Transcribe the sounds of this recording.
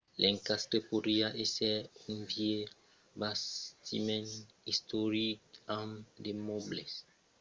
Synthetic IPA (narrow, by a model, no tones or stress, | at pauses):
lʔɛ̃ŋkast̪ɾepoɾiaʔesɛũnvje | bast̪imɛ̃n | ist̪oɾikãmd̪emɔbles